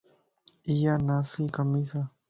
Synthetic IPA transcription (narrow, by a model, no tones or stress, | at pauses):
ijanasikamisa